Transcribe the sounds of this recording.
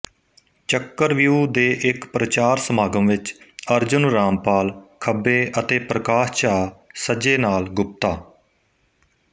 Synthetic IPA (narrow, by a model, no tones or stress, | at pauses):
t͡ʃəkːəɾʋjuːd̪eːʔɪkpɾət͡ʃaːɾsəmaːɡəmʋɪt͡ʃəɾd͡ʒʊnɾaːmpaːlkʰəbeːʔət̪eːpɾəkaːʃt͡ʃaːsəd͡ʒeːnaːlɡʊp̚t̪aː